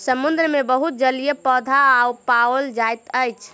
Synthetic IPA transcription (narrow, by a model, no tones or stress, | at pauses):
səmund̪ɾəmebəɦut̪̚d͡ʒəlijepɔd̪ʱaːupawəld͡ʒajt̪əjt͡ʃʰ